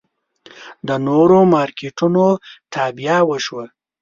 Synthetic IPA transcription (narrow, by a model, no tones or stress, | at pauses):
d̪ənoɾomɑɾkeʈunoʈ̪ʰɑbijawəʃwə